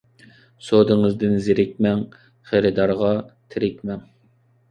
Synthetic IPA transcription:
sod̪ɨŋɨzd̪ɪnzɪɾɪk̚ʲmɛŋ | χeɾɪd̪ɑɾʁɑt̪ʰɪɾɪkʲmɛŋ

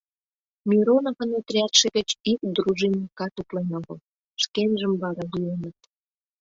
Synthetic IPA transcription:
mʲiɾonoɣə̆net̪rʲæt̪ʃĕɣə̆t͡ɕikd̪ɾuʒinʲikɑt̪uplenoɣəl | ʃkenʒəmβɑɾɑlienət̪

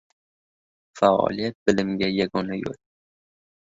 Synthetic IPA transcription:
faɒ̰lijat̪̚bɪlɪmɡʲajaɡɒnajo̰l

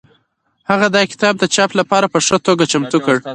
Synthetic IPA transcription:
haɣad̪ɑkɪ̥t̪ɑb̚d̪ət͡ʃɑplapɑɾapəʂət̪oɡat͡ʃamt̪ukəɽ

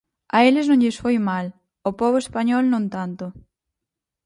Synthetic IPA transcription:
aelɪznõɲʎɪsfojmal | opɔβoespaɲɔlnõnt̪ant̪o

